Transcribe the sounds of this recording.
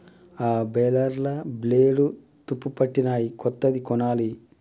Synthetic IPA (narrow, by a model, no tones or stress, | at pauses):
aːbɛlɐɾlɐbleːɽu | t̪upːupɐʈːinaːjikɔt̪ːɐd̪ikɔnaːli